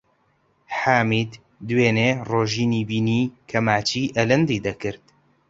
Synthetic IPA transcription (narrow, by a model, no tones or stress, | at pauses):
ħaːmid̪ | d̪weːneːroːʒiːniːbiːniːkʰɐmaːt͡ʃiːʔɐlɨnd̪iːd̪ɐkɨɾt̪